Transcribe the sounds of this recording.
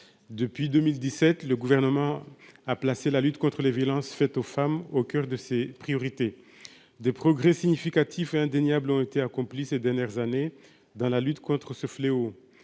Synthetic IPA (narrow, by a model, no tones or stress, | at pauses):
d̪əpɥid̪ømild̪isɛt̪ləɡuvɛʁnəmɑ̃aplaselalyt̪kɔ̃t̪χəlevjɔlɑ̃sfɛt̪ofamokʲœʁd̪əsepχijɔʁit̪e | d̪epχɔɡʁesiɲifikat̪ʰifeɛ̃d̪eɲjablɔ̃et̪eakɔ̃plised̪ɛʁnjɛʁzane | d̪ɑ̃lalyt̪kɔ̃t̪χəsəfleo